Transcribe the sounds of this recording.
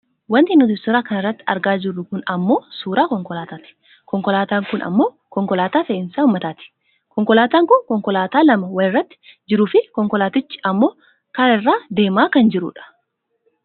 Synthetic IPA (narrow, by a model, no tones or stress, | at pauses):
wɐnt̪ɪːnːʊd̪ʊst̪ːɔɾaːkɐnɪrːɐt̪ːɪ̥ɐ̰ɾɡaːd͡ʒɪrːʊkʊnɐmːo̞ːsuːɾaːkɔŋkɔlaːt̪aːt̪ɪ̥ | kɔŋkɔlaːt̪aːŋkʊnʔɐ̰mːo̞ː | kɔŋkɔlaːt̪aːfeːʔɪnsaːʊmːɐt̪aːt̪ɪ̥ | kɔŋkɔlaːt̪aːŋkʊnkɔŋkɔlaːt̪aːlɐmɐwɐlɪrːɐt̪ːɪ̥d͡ʒɪɾuːfɪkɔŋkɔlaːt̪ɪt͡ʃːɪ̥ɐmːo̞ː | kɐɾɐɪrːaːd̪e̞ːmaːkɐnd͡ʒɪɾṵːᶑɐ̥